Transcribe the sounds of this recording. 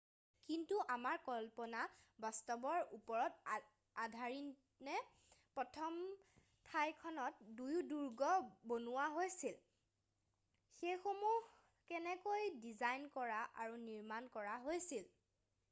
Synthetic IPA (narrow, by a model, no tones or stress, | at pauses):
kintuʔamaɹkɔlpɔnabɔstɔbɔɹupɔɹɔt | adʱaɹin | nɛ | pɹɔtʰɔm | tʰajkʰɔnɔt̚dujuduɹɡɔbonuwaɦojsil | xejxomuh | kɛnɛkojdizajnkɔɹaʔa̰ɹuniɹmankɔɹaɦojsil